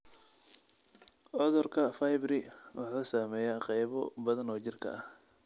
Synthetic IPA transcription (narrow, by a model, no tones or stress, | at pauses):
ʕɔðɔrkʰɐfajbɾɪwɑħaːsaːmɛːjaqɑjβɔbɐðɐnɔːt͡ʃɪrkʰɐ̰ʔɐh